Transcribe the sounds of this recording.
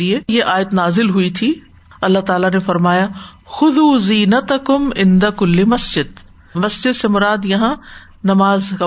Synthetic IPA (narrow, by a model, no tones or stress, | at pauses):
iejeʔaːjət̪naːzɪlɦʊit̪ʰi | ɐlːaɦt̪aːlanefɐɾmaːja | xʊðuːziːnɐt̪ɐkʊmɪ̃nd̪ɐkʊlːimɐsd͡ʒɪd̪̚ | mɐsd͡ʒɪd̪semʊɾaːd̪jɐɦã | nɐmaːzka